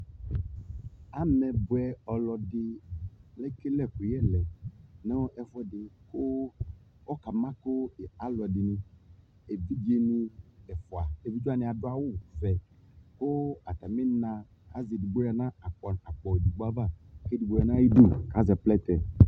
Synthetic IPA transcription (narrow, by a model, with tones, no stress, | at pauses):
a˨mɛ̃˨bu˨ɛ˨ɔ˨lɔ˨de˨lɛ˦ke˦lɛ˦˨ɸu˨jɛ˦lɛ˨ne˦ʔɛ˨fɔ˦ɛ˨de˨ko˦ | ɔ˦ka˨mã˦ko˦e˨a˨lɔ˨di˨nũ˨ | e˨vi˦d͡ʒe˦nũ˦ɛ˨fɔ˨a˨e˨vi˦d͡ʒu˦a˦˨nɛ̃˨a˨do˦a˨wo˦˨vɛ˨ko˦a˨t̪a˨me˦nã˨ | a˦ze˨du˨ɡ͡bo˦ɾa˨nã˦a˨k͡pɔ˨na˨k͡pɔ˨e˨du˨ɡ͡bo˦a˦va˦ke˦du˨ɡ͡bo˦ɾa˨nã˦i˦du˦ka˨˦zɛ˨plɛ˦t̪ɛ˨